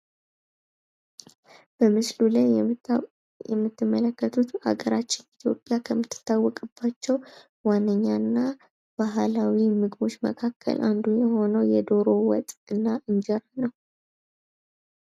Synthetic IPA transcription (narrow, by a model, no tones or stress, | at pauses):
b̥əmɨslulaj | ɛmːɨt̪ːɨmːələkːət̪ʰut̪a̰ɡəɾat͡ʃːɪnit̪ʰjo̞̰pʼjakʰəmːɨt̪ːɨ̥t̪ʰːawːɔkʼɨb̥ːat͡ʃːɛw | wanːəɲːanːa | b̥aɦlawimɨɡβo̞t͡ʃːmə̰kʰakʰːə̰lʔa̰nd̪ujɛho̞nəwjɛd̪o̞ɾo̞wɔ̰t̪ʼɨnːaʔɨnd͡ʒɛɾanəw